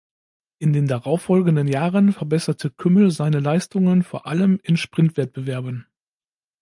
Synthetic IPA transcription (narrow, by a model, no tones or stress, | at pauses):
ʔɪndeːndaʁaʊfːɔlɡn̩dənjaːʁənfɛɐbɛsɐtʰəkʰʏml̩zaɪnəlaɪstʊŋənfoːɐʔaləmɪnʃpʁ̥ɪntv̥ɛt̚b̥əvɛɐbən